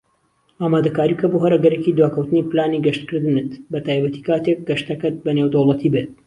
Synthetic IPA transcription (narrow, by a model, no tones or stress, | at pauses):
aːmaːd̪ɐkaːɾikʰɐboɦɐɾɐɡɐɾekid̪waːkɐwt̪ɨniːplaːniɡɐʃt̪kɨɾd̪ɨnɨt̪bɐt̪aːjbɐt̪i̥kaːt̪ek̚ɡɐʃt̪ɐkɐt̪̚bɐnewd̪owlˠɐt̪ʰibet̪̚